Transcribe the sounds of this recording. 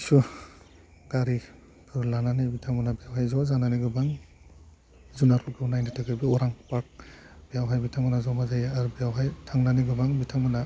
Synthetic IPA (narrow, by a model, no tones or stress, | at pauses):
su | ɡaɾi | pʰɯɾlananibitʰaŋbɯnabijawɦajzɔzaŋnaniɡɯbaŋ | zunaɾʰukɯunajnatʰaɡɯbiɔɾaŋpak̚ | b̥ijawɦajbitʰaŋbanazɔmazajaaɾubijawɦajtʰaŋnaniɡɯbaŋbitʰaŋmɯna